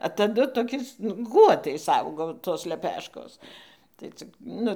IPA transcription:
ɐ tɐˈdʊ toːˈkʲɛɪs nʊ ˈɡuɔtɐɪs ˈɐʊɡoː toːs lʲɛˈpʲæːʃkoːs tɐɪ ˈt͡sʲɪk ˈnʊ

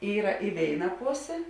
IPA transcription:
ˈiːrɐ ɪ ˈʋʲeːɪnɐ ˈpoːsʲeː

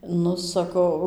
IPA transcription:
ˈnʊ sɐˈkɐʊ

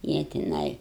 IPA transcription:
ˈjiɛ tʲɪˈnɐɪ

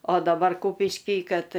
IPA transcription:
oː dɐˈbɐr ˈkuːpʲɪʃʲkʲiː ˈkɐt

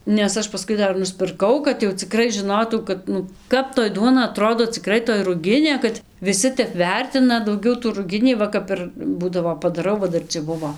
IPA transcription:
nʲɛs ˈɐʃ pɐˈskʊɪ ˈdɐr nʊsʲpʲɪrˈkɐʊ kɐt jɛʊ t͡sʲɪˈkrɐɪ ʒʲɪˈnoːtɐʊ kɐt ˈnʊ ˈkɐp toːj ˈduɔnɐ ɐˈtroːdoː t͡sʲɪˈkrɐɪ toːj rʊˈɡʲɪnʲeː kɐt ʋʲɪˈsʲɪ ˈtʲɛp ˈʋʲɛrʲtʲɪnɐ dɐʊˈɡʲɛʊ tuː rʊˈɡʲɪnʲiː ˈʋɐ kɐp ɪr ˈbuːdɐʋoː pɐdɐˈrɐʊ ʋɐ ˈdɐr t͡sʲɛ ˈbʊʋoː

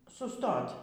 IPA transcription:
sʊˈstoːtʲ

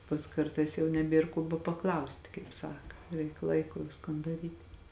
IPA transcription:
pɐs ˈkɐrtɐɪs jɛʊ nʲɛˈbʲeːr koː bɐpɐˈklˠɐʊsʲtʲɪ kɐɪp ˈsɑːkɐ ˈrʲɛɪk ˈlˠɐɪkʊ ˈʋʲɪskoːn dɐˈrʲiːtʲ

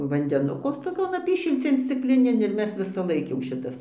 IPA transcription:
ʋɐnʲdʲɛˈnʊkoː toːˈkʲoːn ˈɑːpʲiːʃʲɪlʲt͡sʲeːn sʲt͡sʲɪkˈlʲɪnʲeːn ɪr ˈmʲɛs ʋʲɪsɐˈlˠɐɪk jɛʊ ˈʃʲɪtɐs

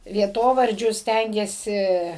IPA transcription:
ʋʲiɛˈtoːʋɐrʲd͡ʒʲʊs ˈsʲtʲæŋʲɡʲeːsʲɪ

